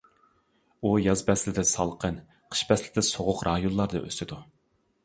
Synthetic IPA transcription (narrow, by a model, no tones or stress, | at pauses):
ujɑzbɛslɪd̪ɪsɑlˠqʰən | qʰə̥ʃbɛslɪd̪ɪsoʁʊqɾʔɑːjonlˠɑɾd̪ɨ̰ʔø̰st̪ɪd̪u